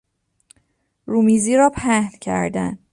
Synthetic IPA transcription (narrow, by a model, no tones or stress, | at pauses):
ɾuːmiːziːɾɒːpʰæhlcʰæ̰ɾd̪æ̰n